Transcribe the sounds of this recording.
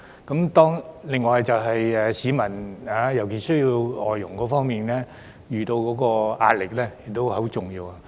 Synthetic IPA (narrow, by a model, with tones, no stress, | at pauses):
kɐ˨˥mt̪ɔː˥ŋlɪ˨˩ŋːɔː˨˧jt͡sɐ˨wɦɐ˨jɛː˨˧siː˨˥mɐ˨˩naː˨˥jɐ˨˩wkeː˨˩sɵ˥ɥjii˧wɔ̰ː˨jːʊ˨˩ŋkɔː˨˥fɔː˥ŋmiː˨nlɛː˥ | jyː˨˩t̪o˧wkɔː˨˥kɔː˧a̰ː˧t̚lɪ˨k̚lɛː˥je˨k̚t̪o˥wo˨˥t͡sʊ˨˩ŋjiː˧waː˨˧